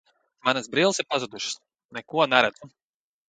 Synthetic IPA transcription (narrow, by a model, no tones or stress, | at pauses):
manasbɾiːlˠsiɾpazud̪uʃs | nɛkuɔnɛɾad̪zu